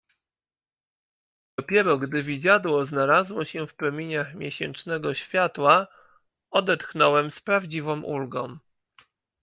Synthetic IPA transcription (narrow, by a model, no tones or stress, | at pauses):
d̪̥ɔpʲjɛɾɔɡd̪ɘvʲid͡ʑad̪wɔznalazwɔɕɛfpɾɔmʲiɲaxmʲjɛɕɛ̰nt͡ʂnɛɡɔɕfʲjat̪wa | ɔd̪ɛt̪xnɔwɛmspɾavd͡ʑivɔ̃mʔulɡɔ̰̃w̃